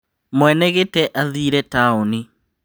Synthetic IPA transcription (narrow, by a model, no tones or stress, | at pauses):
mwɛnɛɣetɛʔaðiːɾɛtaoni